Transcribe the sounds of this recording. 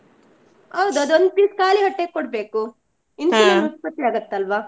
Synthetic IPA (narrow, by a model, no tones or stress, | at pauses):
hɐwd̪uɐd̪uond̪̚piskaːliɦɐʈːeɡ̚kɔɽbe̞ːku | ininɐɦuspɐt̪ːiaːɡɐt̪ːeɐlʋaː